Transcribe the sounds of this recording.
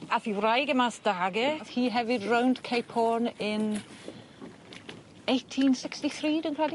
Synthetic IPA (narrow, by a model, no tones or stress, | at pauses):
afiːwrajɡəmasd̥aɡəvhiːɦɛvɨdrawnd̥kʰejpʰɔnɪn | ejtʰinsɪkstiθriːdənkʰɛdi